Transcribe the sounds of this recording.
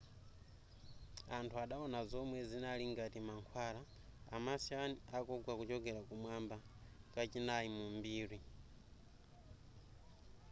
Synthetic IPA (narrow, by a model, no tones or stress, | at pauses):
antʰuaɗaɔnazɔmwɛzinaliŋɡatimaŋkʰwaːɾa | a̰masianiakɔɡwakut͡ʃɔɡɛɾakumwamba | kat͡ʃinaimumbiːɾi